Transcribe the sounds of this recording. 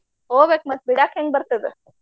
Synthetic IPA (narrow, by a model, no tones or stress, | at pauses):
oːʋek̚mɐt̪̚biɽaːkeŋɡ̚bɐɾt̪ɐd̪e